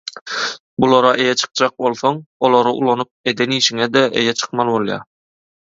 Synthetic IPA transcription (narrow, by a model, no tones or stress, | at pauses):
bulˠoɾɑʔe̞jɛt͡ʃʰɨ̥q̚d͡ʒɑq̚bo̞lˠθoŋolˠoɾɯʔṵlˠonup̚ed̪eniːʃiŋɛd̪ɛḛjɛt͡ʃʰɯ̥qmɑlˠbolˠjɑ̰